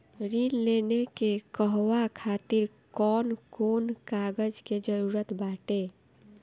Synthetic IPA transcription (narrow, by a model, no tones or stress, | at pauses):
ɾinlenekekəɦʋakʰat̪iɾ | kɔnkonkaɡəd͡ʒked͡ʒəɾuɾət̪baʈe